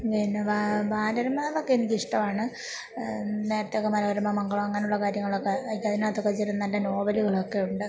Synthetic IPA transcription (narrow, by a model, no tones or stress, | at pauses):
ʋinːeʋabaːnɐɾɐmːaːlo̞kːeinːikiʂʈɐmaːɳɨ | ne̞ːɾɐt̪ːeokːemɐlɐʋɐɾɐmːamɐŋɡɐɭʋɐŋːaːnuɭːɐkaːɾjɐŋːɐɭokːeɐðinaːt̪ːokːet͡ɕːeɾunːɐndeno̞ːbɐliɣɐɭo̞kːe̞juɳɖɨ